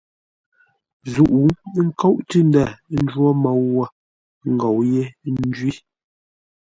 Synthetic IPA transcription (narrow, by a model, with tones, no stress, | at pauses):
zu˨ʔu˨˦ŋ̩˦kɔ˦ʔti˦n˦da˦˨˦n̩˦d͡ʒwɔ˦ma˨wːɔ˦ | ŋ˨ɡɔ˨wje˦nn˦d͡ʒɥi˦